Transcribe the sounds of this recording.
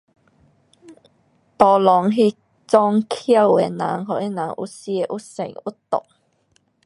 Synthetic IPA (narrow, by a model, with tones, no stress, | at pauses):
t̪ɔ˧lɔ˨˦ŋɦi˥˧ | t͡sɔ˧ŋkʰja˥˧we˨˦nã̰˨˦ŋɦɔ˧˨ʔe˦˥nã˨˦ŋʔṵ˦˥sje˧ʔu˦˥sḛ˨˩ŋu˦˥t̪o̰˨k̚